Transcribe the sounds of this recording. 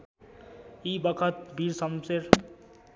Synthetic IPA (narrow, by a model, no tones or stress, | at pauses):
ibʌkʰʌt̪̚bʱiɾsʌmseɾ